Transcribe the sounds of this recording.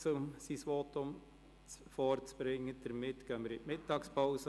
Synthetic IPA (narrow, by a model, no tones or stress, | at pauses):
t͡sʊmsisʋɔt̪ʊm | t͡sfɔɾt͡sb̥ɾɪŋːəd̥əɾmɪtɡ̥œnməɾɪʔmɪtːɑːkspʰɑʊsə